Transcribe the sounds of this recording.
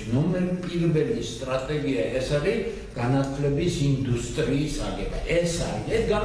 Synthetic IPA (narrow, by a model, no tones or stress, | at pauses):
nɔmɛɾpʼiɾbɛlist̪ʼɾat̪ʼɛɡiaɛsaɾi | ɡ̥anat̪ʰlɛbisind̪ust̪ʼɾiːsaɡɛba̰ʔɛsa̰ɾinɛt̪ɡa